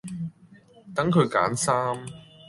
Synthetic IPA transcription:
t̪ɐ˨˥ŋkʰɵ˨˧ɥka̰ː˨˥nsaː˥m

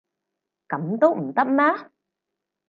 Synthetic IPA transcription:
ka˨˩˦mt̪o˦˥ʔ̩˨˩t̪ə˦˥m̚na˦˥

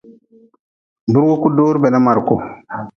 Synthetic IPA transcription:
bu˦ɾwo˦ku˦doː˦ɾbɛ˨na˦ma˨ɾko˨

